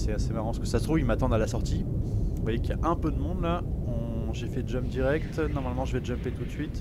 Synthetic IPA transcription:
sɛasemaʁɑ̃səkə̥sast̪χuvilmat̪ɑ̃d̪alasɔʁt̪ĩvwajekjaʔɛ̃pød̪əmɔ̃d̪laɔ̃ʒefɛdd͡ʒœmd̪iʁɛkt̪nɔʁmalmɑ̃ʒəvɛd͡ʒœmpet̪ut̪sɥit̪

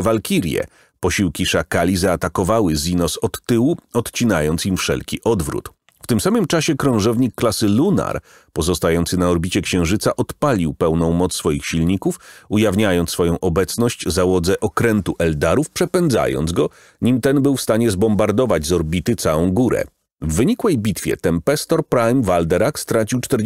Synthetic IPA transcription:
valkʲiɾʲjɛ̰ | pɔɕiwkʲiʂakalʲizaːt̪akɔvawɘzʲinɔsɔt̪ːɘwuɔt̪t͡ɕinajɔnt̪simfʂɛ̰lkʲiʔɔd̪vɾṵt̪ | ft̪ɘmsamɘmt͡ʂaɕɛkɾɔ̃w̃ʐɛvɲikːlasɘluna̰ɾ | pɔzɔst̪ajɔnt̪sɘnaɔɾbʲit͡ɕɛkɕɛ̃w̃ʐɘt̪saʔɔt̪palʲiwpɛwnɔ̃w̃mɔt̪ssfɔjixɕilɲikufujavɲajɔnsfɔjɔ̃w̃ʔɔbɛt̪snɔɕt͡ɕzawɔd̪zɛʔɔkɾɛnt̪uʔɛld̪aɾufpʂɛpɛnd̪za̰jɔ̰nzɡɔ | ɲimt̪ɛnbɘwfst̪aɲɛzbɔmbaɾd̪ɔvad͡ʑzɔɾbʲit̪ɘt̪sawɔ̃w̃ɡuɾɛ̰ | vːɘɲikwɛjbʲit̪fʲjɛ̰t̪ɛmpɛst̪ɔɾpɾajmvald̪ɛɾakst̪ɾat͡ɕiwt͡ʂt̪ɛɾ

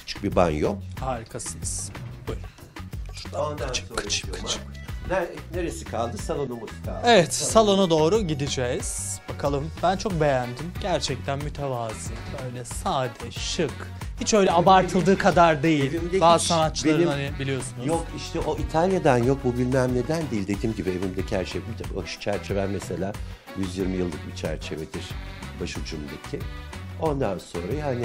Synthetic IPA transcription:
hi̥t͡ʃʰɯ̥k̚biba̰njo̰khaɾikʰasɯnɯz̥buj | ʃaat͡ʃkʰːɯ̥t͡ʃʰːḁt͡ʃnneɾesikʰalˠd̪ɯsalˠonumut̪kʰaevɛt̪salˠo̞nad̪o̞ːɾuɟid̪id͡ʒɛz̥bakʰalˠɯmbænt͡ʃʰo̞k̚be̞jænd̪imɟ̥æɾt͡ʃʰɛc̚t̪ʰænmyt̪ʰɛvaːzɯbø̞jlʲɛsaːd̪ɛʃɯk | hit͡ʃø̞jlʲɛabaɾt̪ʰɯlˠd̪ɯːkʰad̪aɾd̪e̞jilʲimd̪ebaːzɯsanatt͡ʃːlˠaɾnanɪbilʲijo̞sunujokiʃt̪ʰɛoʔit̪ʰalʲjad̪anjo̞k̚bubilʲmæmne̞d̪ænd̪eilʲd̪ed̪iːmɟibievimd̪ecʰhæɾt͡ʃʰejmit̪ʰaʃɯ̥t͡ʃʰæɾt͡ʃʰe̞vænmese̞lʲaː | jyzjiɾmijɯlˠːɯk̚bit͡ʃʰæ̰ɾt͡ʃʰe̞ved̪iɾ̥baʃud͡ʒumd̪acʰiɪo̞nd̪anso̞nɾajhanɪ

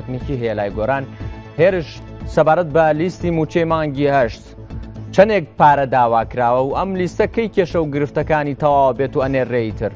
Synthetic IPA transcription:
ɐknikiːɦejelaːjɡoɾaːnheːɾɨʃ | sɐbaːɾɐt̪̚bɐlist̪iːmuːt͡ʃejmaːŋɡiːhɐʃt̪ | t͡ʃʰɐnek̚paːɾɐd̪aːwaːkɾaːwɐwʔɐmlist̪ɐkɐjkeːʃɐwɡɨɾɨft̪ɐkaːniːt̪ʰɐwaːwɐbeːt̪uɐneːreːjit̪ʰɨɾ

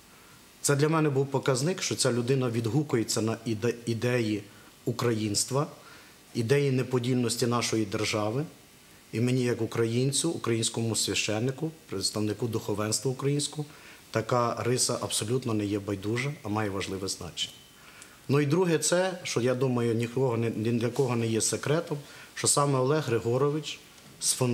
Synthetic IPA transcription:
t̪sɛd̪lʲɐmɛnɛbuwpɔkɐznɪkʃt͡ʃɔt͡sʲalʲʊd̪ɪnɐʋʲid̪ɦukʊjet͡sʲːɐnɐid̪ɛid̪ɛji | ukɾɐjinst̪ʋɐ | id̪ɛjinepɔdʲilʲnɔsʲtʲinɑʃɔjid̪erʒɑʋɪ | imenʲijɐkʊkɾɐjinʲt͡sʲʊːkɾɐjinʲsʲkɔmʊsʲʋʲɐʃt͡ʃɛnːɪkʊpɾɪt̪st̪ɐwnɪkud̪ʊxɔʋɛnst̪ʋɐʊkɾɐjinʲsʲkɔt̪ɐkɑɾɪsɐʔɐbsɔlʲut̪nɔnɛjɛbɐjd̪uʒɐːmɑjɛʋɐʒlˠɪʋɛznɑ̰t͡ʃe̥nʲːɐ̥ | nuid̪ɾuɦɛt̪sɛʃt͡ʃɔjad̪umɐjʊnʲiɔɦɔd̪lʲɐkɔɦɔnɛjɛsekɾɛt̪ɔmʃt͡ʃɔsɑmɛɔlˠɛɦɾɪɦɔɾɔʋɪt͡ʃ | sfɔn

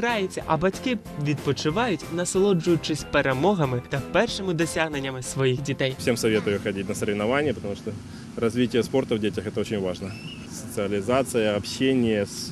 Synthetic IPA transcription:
ɾajet͡sʲːɐ̰ʔɐbɐtʲkɪ | ʋʲid̪̚pɔt͡ʃɪʋɑjʊtʲnɐsɐlˠɔd͡ʒʊjʊt͡ʃɪsʲpeɾemɔɦɐmɪt̪ɐpɛrʃɪmɪd̪ɔsʲaɣnenʲːɐmɪsʋɔjixdʲit̪ɛjfsʲe̞msɐvʲet̪ʊjʊxɐdʲit̚ʲnəsəɾʲɪvnɐvanʲːɪjəpət̪ɐmuʂt̪o | rɐzvʲitʲɪjəspo̞rt̪əvdʲetʲɪxɛt̪əot͡ɕɪnʲvaʐnə | sə̥t̪sɨɐlʲɪzat̪sɨjəɐpɕːenʲɪjəs

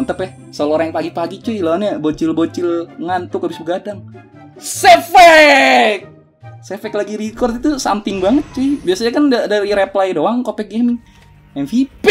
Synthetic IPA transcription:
ant̪əpɛh | soloɾaŋpaɡipaɡit͡ʃuilonɲabot͡ʃɪlbot͡ʃɪlŋant̪ʊkabisbəɡadaŋ | sɛfɛk̚ | sɛfɛklaɡiɾikɔrt̪it̪usa̰mpɪŋbaŋət̪̚t͡ʃuibiasaɲakandadaɾiɾɛplajdowaŋkopɛk̚ɡɛmɪŋ | ɛmfip

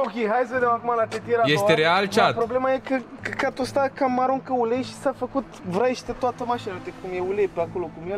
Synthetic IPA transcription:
o̞kʲejɦajsəve̞d̪emakumalat̪et̪ieɾaje̞seɾealt͡ʃat̪pɾo̞ble̞maje̞kəkəkat̪ost̪akamaɾuŋkəulejʃi̥safəkut̪vɾaeʃt̪et̪oat̪əmaʃinaet̪ekumjeulejpeako̞lo̞kumjel

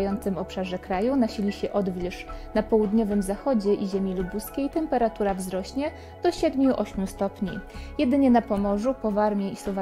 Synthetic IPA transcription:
jɔnt̪sɘmɔpʂaʐɛkɾajunaɕilʲiɕɛʔɔd̪vʲɛʂnapɔwud̪ɲɔvɘmzaxɔd͡ʑɛʔiʑɛmʲilubuskʲejt̪ɛmpɛɾat̪uɾavzɾɔɕɲɛ | d̪̥ɔɕɛd̪mʲjuʔɔɕmʲjust̪ɔpɲḭjɛd̪ɘɲɛnapɔmɔʐupɔvaɾmʲjɛisɔva

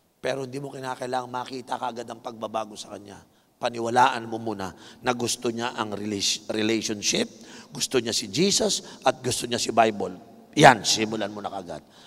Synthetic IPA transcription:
pɛːɾohɪnd̪iːmokɪnaːkɐjlaːŋɐŋmaːkiːt̪ɐkɐʔɐɡad̪ɐŋpɐɡ̚bɐbaːɡosɐ̥kɐɲa̰ | pɐnɪwɐlaːʔɐnmomuːnɐnɐɡʊst̪oɲaʔɐŋɾɪɾɪlɛjʃonʃɪp̚ɡʊst̪oɲasɪd͡ʒiːsɐsʔɐt̪̚ɡʊst̪oɲasɪbajbol | jansɪmʊlanmonɐkɐɐɡa̰d̪̚

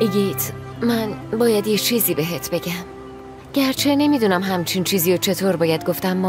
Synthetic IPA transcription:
ʔiɟit̪ʰ | mænbɒːjæd̪jet͡ʃʰiːziːbeɦet̪ʰbe̞ɟæm | ɟ̥æɾt͡ʃʰe̞ne̞miːd̪uːnæmɦæmt͡ʃʰint͡ʃʰiːziːjot͡ʃʰe̞t̪ʰoːɾbɒːjæd̪̚ɡo̞ft̪æmːɒː

